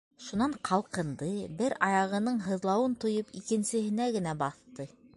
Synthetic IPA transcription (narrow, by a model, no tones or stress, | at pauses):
ʃunɑɴqʰɑlˠqɤ̆nd̪ɤbɘɾɑjɑʁɤ̆nɤɴɦɤ̆ðlˠɑwɤnt̪ŏjɤpikɘ̆nsɘ̆ɦɘ̆næɡɘ̆næbɑθt̪ɤ